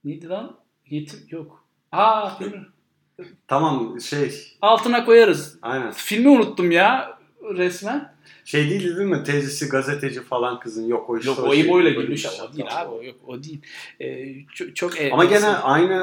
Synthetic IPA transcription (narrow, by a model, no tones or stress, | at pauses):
ned̪id̪an | jet̪ʰimjok | hafim | t̪ʰamamʃejalˠt̪ʰɯnako̞jaɾɯzajnænfilʲmiunut̪ːumjaː | ɾɛsmæn | ʃe̞jd̪ijːlʲd̪id̪inmɪt̪ʰezisiɡazet̪ʰe̞d͡ʒifalˠankʰɯzɯnjokojuʃjok̪ˠaojumojlˠaɡiɾʲmyʃaod̪iːlʲhabiojok̚od̪ijilʲɛːt͡ʃʰot͡ʃʰo̞kɛamaɟenæʔajna